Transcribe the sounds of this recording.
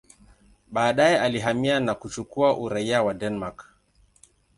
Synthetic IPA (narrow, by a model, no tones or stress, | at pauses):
ɓaːɗaialiɦamianakut͡ʃukuaʔuɾajawadɛnmak